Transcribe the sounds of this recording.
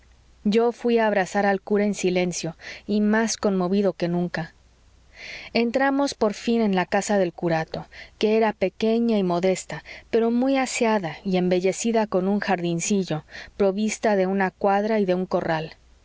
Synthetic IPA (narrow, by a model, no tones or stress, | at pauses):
ɟ͡ʝo̞fwiaːβ̞ɾasaɾalkuɾaensile̞nsjo̞imasko̞nmo̞βiðo̞ke̞nũŋka | e̞nt̪ɾamo̞spo̞ɾfine̞nlakasaðe̞lkuɾat̪o̞ke̞eɾape̞ke̞ɲaimo̞ðe̞st̪ape̞ɾo̞mujasjaðaie̞mbe̞ʝe̞siðako̞nũŋxaɾðinsiʝo̞pɾo̞βist̪aðe̞unakwaðɾaiðe̞uŋko̞ral